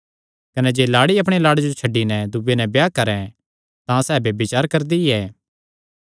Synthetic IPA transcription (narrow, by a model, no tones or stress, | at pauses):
kɐnɛd͡ʒeːlaːɽiɐpɽ̃elaːɽed͡ʒot͡ʃʰɐɖːinɛd̪ʊbenɛbjaːkɐɾɛ̃ | t̪ãsɛːbebɪt͡ʃaːɾkɐɾd̪iɛː